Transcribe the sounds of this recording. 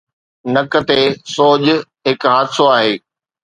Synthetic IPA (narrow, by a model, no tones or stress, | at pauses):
nɐkə̆t̪esoːʄ | ɦɪkɦaːt̪soaːɦeː